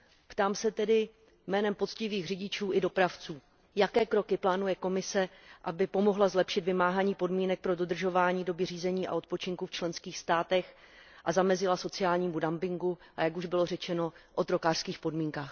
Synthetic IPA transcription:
pt̪aːmsɛt̪ɛdɪ | mɛːnɛmpo̞t͡scɪviːɣr̝ɪɟɪt͡ʃuːʔɪdo̞pɾaft͡suː | jakɛːkɾo̞kɪplaːnujɛko̞mɪsɛʔabɪpo̞moɦlazlɛpʃɪt̪vɪmaːɦaɲiːpo̞dmiːnɛk̚pɾo̞do̞d̪r̩ʒo̞vaːɲiːdo̞bɪriːzɛɲiːʔa̰o̞t̪̚po̞t͡ʃɪŋkuft͡ʃlɛnskiːxst̪aːt̪ɛx | ʔazamɛzɪlaso̞t͡sɪjaːlɲiːmudampɪŋɡuʔajakuʒbɪlo̞rɛt͡ʃɛno̞ʔo̞t̪ɾo̞kaːr̥skiːxpo̞dmiːŋkaːx

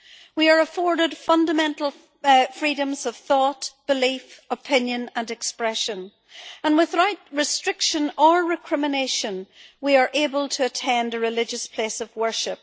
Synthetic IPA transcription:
wiə˞əfɔɹɾɪd̥fʌ̃ndəmɛ̃ntˡl̩ˠ | fɹiɾə̃mzʌv̥θɔtb̥ɨlifəpʰɪ̃njə̃nə̃nɛkspɹɛʃə̃n | ə̃nwɪðɹaɪt̚ɹɪstɹ̥ɪkʃə̃nə˞ɹɪkʰɹ̥ɪməneʃə̃nwiə˞ʔebəlˠtʰəːtʰɛ̃ndəɹɪlɪd͡ʒəspʰl̥esʌvwɜ˞ʃɪp̚

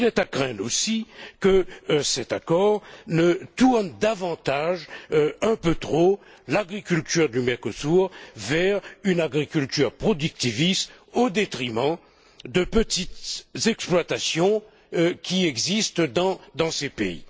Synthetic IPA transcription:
ilɛt̪akχɛ̃d̪osikəsɛt̪akɔʁnət̪uʁnd̪avɑ̃t̪aʒɛ̃pøt̪χo | laɡʁikʲylt̪yʁd̪ymɛʁkosuʁvɛʁynaɡʁikʲylt̪yʁpχɔd̪yk̚t̪ivist̪od̪et̪χimɑ̃ | d̪əpət̪it̪zɛksplwat̪asjɔ̃ | kʲiɛɡzist̪d̪ɑ̃d̪ɑ̃sepḛḭ

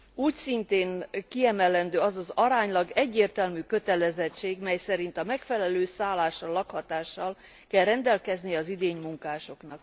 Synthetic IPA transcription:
uːcsint̪eːŋkiɛmɛlɛnd̪øːɒzɒzɒɾaːɲlɒɡɛɟːeːrt̪ɛlmyːkø̞t̪ɛlɛzɛt͡ʃːeːɡmɛjsɛɾint̪ɒmɛkfɛlɛløːsaːlːaːʃːɒlːɒkhɒt̪aːʃːɒl | kɛlrɛnd̪ɛlkɛznijɛɒzid̪eːɲmuŋkaːʃo̞knɒk

